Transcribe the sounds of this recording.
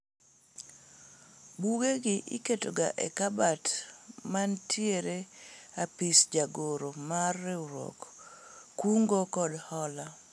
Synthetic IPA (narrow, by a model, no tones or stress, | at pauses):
buɡeɡɪʔɪ̰ketoɡa̰ʔɛ̰kabatmantʰjeɾeapisd͡ʒaɡoɾomarːɛuɾɔ̰kː | uŋɡokɔdhɔla